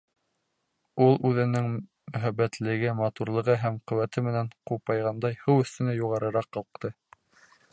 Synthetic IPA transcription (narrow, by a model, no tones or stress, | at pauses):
ulˠʉðɘ̆nɘŋ | mɵ̆ɦæbːæt̪lɘ̆ɡɘmɑt̪uɾlˠɤ̆ʁɤɦæmqɵ̆wæt̪ɘmɘ̆næɴqupɑjʁɑnd̪ɑjhɤwɵ̆θt̪ɵ̆næjuʁɑɾɤ̆ɾɑqːɤ̆lˠq̚t̪ɤ